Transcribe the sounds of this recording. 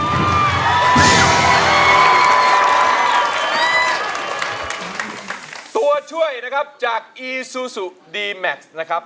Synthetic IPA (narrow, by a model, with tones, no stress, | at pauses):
t̪u˧ɐt͡ɕʰu˥˩əjna˦˥kʰa˦˥p̚t͡ɕaː˨˩k̚ʔiː˧suː˨˧su˨˩k̚diː˧mɛ˨˩k̚sna˦˥kʰɾa˦˥p̚